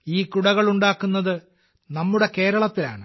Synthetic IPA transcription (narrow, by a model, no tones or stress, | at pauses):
iːkuɽɐɣɐɭuɳɖaːkːunːɐðɨ | nɐmːuɽe̞ke̞ːɾɐɭɐt̪ːila̰ːɳɨ